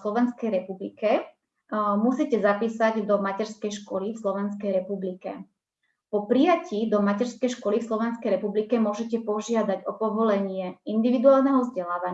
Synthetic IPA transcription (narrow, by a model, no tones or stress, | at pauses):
slɔʋɛnskɛjɾɛpublikɛ | musicɛzapiːsaɟd̪ɔmacɛɾskɛjʃkɔlifslɔʋɛnskɛjɾɛpublikɛ̰ | pɔpɾijaciːd̪ɔmacɛɾskɛjʃkɔlifslɔʋɛnskɛjɾɛpublikɛmʊɔʒɛcɛpɔʒɪad̪aɟɔpɔʋɔlɛɲɪɛind̪iʋid̪uaːlˠnɛɦɔvzɟɛlaːʋaɲ